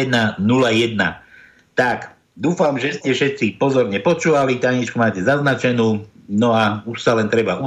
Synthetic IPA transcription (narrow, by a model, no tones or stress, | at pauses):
d̪nanulajɛd̪̚na̰ | t̪ak | d̪uːfamʒɛscɛfʃɛt̪t͡sipɔzɔɾɲɛpɔt͡ʃuːʋalit̪aɲit͡ʃkumaːcɛzaznat͡ʃɛnuːnɔauʃsalɛnt̪ɾɛbau